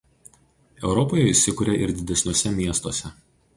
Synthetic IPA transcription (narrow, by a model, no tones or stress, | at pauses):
ɛʊɾɔpɔːjɛɪsʲɪkʊːɾʲeʔɪɾd̪ʲɪd̪ʲɛsʲnʲuɔsʲɛmʲiɛst̪oɔsʲɛ